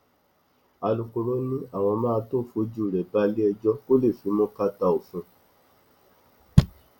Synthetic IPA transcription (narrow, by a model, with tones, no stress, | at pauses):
a˧lu˨ko˨ɾo˨˦nĩ˦a˦˨w̃ɔ̃˧mãː˦˧to˦˨fo˨˦d͡ʒu˦˨ɾɛ˨ba˦li˦ɛ˧d͡ʒɔ˦ko˦le˦˨fi˨˦mõ˦ka˦ta˧o˨fũ˧˦